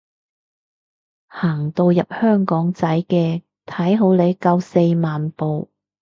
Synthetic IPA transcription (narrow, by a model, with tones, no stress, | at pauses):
haː˨˩ŋt̪o˧wjɐ˨p̚hœː˥ŋkɔː˨˥ŋt͡sɐ˨˥jkɛː˧ | t̪ʰɐ˨˥jɦo˨˥wle˨˧jkɐ˧wse˧jmaː˨npo˨˧w